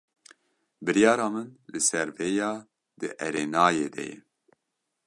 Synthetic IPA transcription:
bɨɾjɑːɾɑːmɨnlɨsɛɾveːjɑː | d̪ɨʔɛɾeːnɑːjeːd̪ɛ̰jɛ̰

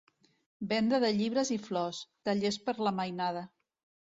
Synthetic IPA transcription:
bɛnd̪əðəʎiβ̞ɾəziflɔst̪əʎespəɾləməjnað̞ə

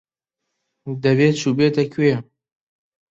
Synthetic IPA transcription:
d̪ɐveːt͡ʃʰuːbeːt̪ɐkʰeɛ

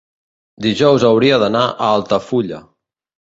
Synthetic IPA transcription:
d̪iʒɔwzəwɾiəðənaʔəalˠt̪əfuʎə̰

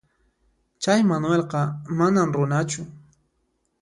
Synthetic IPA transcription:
t͡ʃajmanwelqɑmanamɾʊnat͡ʃʊ

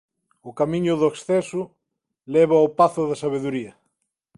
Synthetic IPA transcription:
ʊkamĩɲʊðoeksθɛsʊ | lɛβaopaθʊðɐsaβ̞eðuɾiɐ

